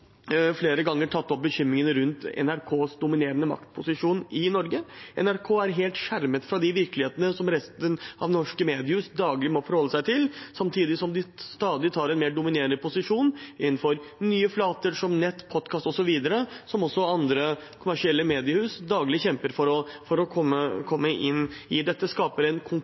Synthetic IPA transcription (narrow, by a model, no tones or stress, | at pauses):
fleːɾəɡɑŋːəʈʰɑt̪ːɔp̚bəçʏmɾɪŋənəɾʉnt̪ɛ̰næɾkʰoːsd̪ʊmɪneːɾənəmɑ̰kt̪pʰʊsɪʂuːnɪnɔɾɡəʔɛ̰næɾkʰoːæɾɦeːlt̪ʂæɾmət̪fɾɑd̪ɪʋɪɾklɪheːt̪ənəsɔmɾɛst̪ənʔɑ̰ʋnɔʂkəmeːd̪ɪəhʉːsd̪ɑːɡlɪmɔfɔɾhɔlːəsæɪt̪ʰɪlsɑmt̪ʰiːd̪ɪsɔmd̪ɪst̪ɑːd̪ɪt̪ʰɑːɾɛnmeːɖʊmɪneːɾənəpʰʊsɪʂuːnʔɪnːn̩fɔɾnyːəflɑːt̪əɾʂɔmnɛt̪ːpʰɔd̪̚kʰɑːst̪ɔsɔʋiːd̪əɾəsɔmɔsːɔɑnd̪ɾəkʰʊmæʂɪɛlːəmeːd̪ɪəhʉːsd̪ɑːɡlɪçɛmpəɾfɔɾɔfɔɾɔkʰɔmːəkʰɔmːəʔɪnɪd̪ɛt̪ːəskɑːpəɾɛnkʰʊŋ